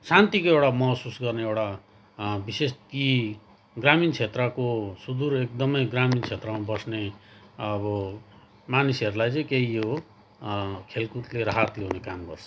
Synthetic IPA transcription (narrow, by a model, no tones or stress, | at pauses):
sant̪ikoewʈamʌsusɡʌrneewʈa | bisest̪i | ɡramint͡sʰet̪rʌkosud̪uɾek̚d̪ʌmʌjɡramint͡sʰet̪rʌmabʌsneʌbʌ | manisʌɾulajt͡sʌ̃ĩkeɦijo | kʰelkut̪leɾaɦat̪leɦunekambʱʌrt͡sʰʌ